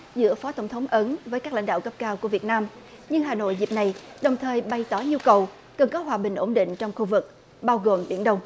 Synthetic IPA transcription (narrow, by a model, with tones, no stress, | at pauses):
zɨ̰˧˥əfɔ˨˦t̪ə˧˩wŋ͡mt̪ʰə˨˦wŋ͡mʔə˨˦nvəː˨˦jkaː˦˥k̚la̰˧˥ŋɗa̰ː˧˨wkə˦˥p̚kaː˧wku˧˩əvi˨˩ət̚naː˧m | ɲɨ˧ŋɦaː˨˩no̰˧˨jzi˨˩p̚na˨˩jɗə˨˩wŋ͡mt̪ʰəː˨˩jɓa˧˩jt̪ɔ˧˩˦ɲu˧kə˨˩w | kə˨˩nkɔ˨˦ɦwaː˨˩ɓï˨˩ŋ̟ʔo˧˩ŋ͡mɗḭ̈˧˨ŋ̟t͡ɕɔ˧wŋ͡mxu˧vɨ˨˩k̚ | ɓaː˧wɣo˨˩mɓi˧˩ənɗə˧wŋ͡m